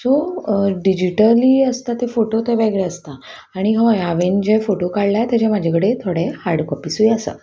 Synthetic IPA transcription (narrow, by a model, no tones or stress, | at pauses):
soɖid͡ʑiʈəliːəst̪at̪efoʈot̪eʋeɡɭeəst̪a | aɽ̃iɦɔjaʋend͡ʑefoʈokaɽlat̪jat͡ɕɛmad͡ʑʱekəɽet̪ʰoɽehaɾɽkɔpisujasə̰